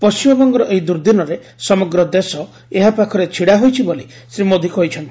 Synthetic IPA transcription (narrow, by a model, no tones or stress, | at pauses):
pɔst͡ʃimɔbɔŋɡɔɾɔʔeɦid̪uɾd̪inɔɾe | sɔmɔɡɾɔd̪esɔ | eɦapakʰɔɾet͡ʃʰiɽaɦojt͡ʃʰiboli | sɾimod̪ʱikɔɦjt͡ʃʰɔnt̪i